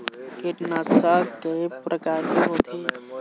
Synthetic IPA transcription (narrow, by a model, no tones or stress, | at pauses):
keʈnasakepɾʔɐkaːɾkiɦoːt̪ʰe